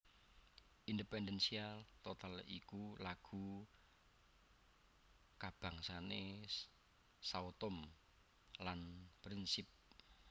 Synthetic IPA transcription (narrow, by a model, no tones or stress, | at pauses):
ʔindəpɛndɛnsialt̪ot̪alḭkulaɡ̥ṳ | kab̥a̤ŋsane | saut̪ʊm | lanpɾinsɪp̚